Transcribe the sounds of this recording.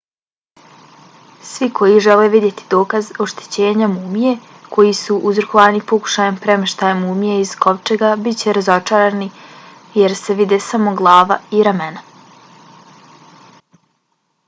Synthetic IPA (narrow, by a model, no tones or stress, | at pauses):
sʋikʰo̞jiʒele̞ʋid̪je̞t̪id̪o̞ːkazo̞ʃt̪e̥t͡ɕe̞ːɲamuːmije̞ | kʰo̞jisuʔuzɾokoʋanipo̞ku̥ʃajempɾe̞meʃt̪ajemuːmijeizko̞ʋt͡ʃeɡabitt͡ɕe̞ɾazo̞t͡ʃaːɾani | jeɾse̞ʋid̪esamoɡlˠaːʋa̰iɾamena